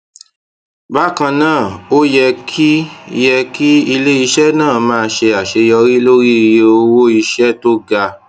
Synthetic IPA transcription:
ba˦kã˧nãː˦˨o˦jɛ˧kʰi˦jɛ˧ki˦i˧le˦i˧ʃɛ˦nãː˦˨mãː˦˧ʃe˧a˨ʃe˧jɔ˧ɾi˦lo˦ɾi˦˧je˧o˧wo˦i˧ʃɛ˦to˦ɡa˧

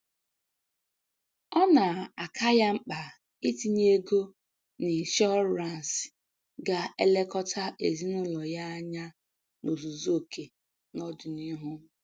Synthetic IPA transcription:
ɔ˦na˨a˨kʰa˦ja˦ŋ͡m̩˦k͡pa˨ | i˦ti˦ɲe˦ɡo˦ | ni˨ʃɔ˦ɾa˨n˨s | ɡa˦e˦le˦kɔ˦tʰa˦ʔe˨zi˦nʊ˦lɔ˨ja˦a˦ɲa˦ | no˨zu˨zo˦˨kʰe˨ | nɔ˦dʊ˨ni˦ɦʊ˦

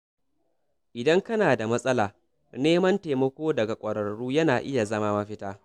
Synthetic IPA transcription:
ʔɪ˨dɐ˦ŋkɐ˦naː˨da˨mɐ˦sʼɐ˦laː˨ | neː˦mɐ˦nteː˨mɐ˦kʷoː˦dɐ˨ɡa˨kʷʼɐ˨ɽɐ˨ɽuː˦jɐ˦naː˨ʔɪ˦ja˨zɐ˦maː˦mɐ˦ɸɪ˦taː˦

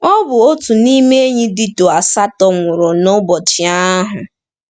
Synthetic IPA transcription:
ɔ˦bʊ˨o˦tu˨ni˦me˦ɲi˦dɪ˦to˨a˨sa˦tɔ˨ŋʷʊ˨ɾʊ˨no˦bɔ˨t͡ʃɪ˨a˦ɦʊ˨

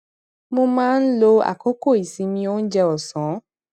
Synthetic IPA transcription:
mo˧mãː˦n̩˦lo˧a̰˨ko˦ko˦˨i˨si˨˧˦mĩ˧o˦n̩˦d͡ʒɛ˧ɔ˨sɔ̃˨˦

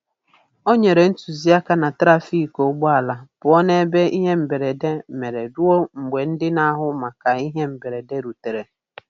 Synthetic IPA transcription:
o˦ɲe˨ɾe˨n̩˦tu˨zi˦a˦ka˦na˨tɾa˦fi˦ko˨ɡ͡ba˨la˨b̥ʊ˨ɔ˦ne˦be˦i˦ɦe˦m̩˨be˨ɾe˨de˦me˨ɾe˨dʊ˦o˦ŋ͡m̩˨ɡ͡be˨n̩˦dɪ˦na˦ɦʊ˦ma˨ka˨i˦ɦe˦m̩˨be˨ɾe˨de˦ɾu˨te˨ɾe˨

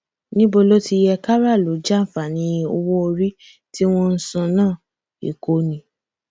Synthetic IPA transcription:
nĩ˦bo˧lo˦ti˧jɛ˧ka˦ɾa˦˨lo˨˦d͡ʒa˦˨fa˨nĩ˨˦o̰˧wo˦o˧ɾi˦ | ti˦w̃ɔ̃˦n̩˦sã˧nãː˦˨ | ḭ˨ko˨˦nĩ˨˦

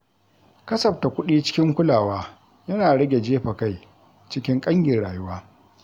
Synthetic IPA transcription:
kɐ˦sɐ˨ɸ̚ta˨kʷʊ˦ɗiː˦t͡ʃɪ̥˦kʲɪ˦ŋkʷʊ˦laː˨waː˦ | jɐ˦naː˨ɽɐ˦ɡʲe˨d͡ʒeː˦ɸɐ˨ka˦˨j | t͡ʃɪ˦kʲɪ˦ŋkʼɐ˦ŋjʲɪ˨rɽaː˨jʊ˦waː˦

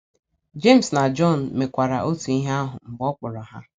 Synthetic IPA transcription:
d͡ʒe˦˨m̩˨sna˨d͡ʒɔ˦˨n̩˨me˨kʷa˨ɾa˨ʔo˦tu˨i˦ɦe˦a˦ɦʊ˨m̩˨bɔ˦k͡pʊ˨ɾɔ˨ɦa˦

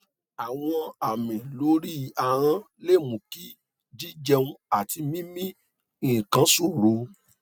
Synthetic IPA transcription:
a˨w̃ɔ̃˧a˨mĩ˨lo˨˦ɾi˦˨a˨ɾ̃ã˧ | le˦˨mũ˨ki˦ | d͡ʒi˦d͡ʒɛ˧ũ˧a˨ti˧mĩ˦mĩ˦ | ĩ˦˨kã˨˦su˦˨ɾo˧

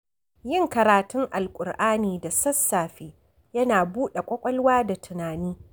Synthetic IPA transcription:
jɪ˦˨ŋkɐ˨ɾaː˨tʊ˦ŋʔa˨lkʷʼʊ˨rʔaː˦niː˨da˨sɐ˦sːaː˨ɸeː˦ | jɐ˦naː˨buː˦ɗe˨kʷʼɔ˦kʷʼɐ˦lwaː˦da˨tʰɪ˨naː˨niː˦

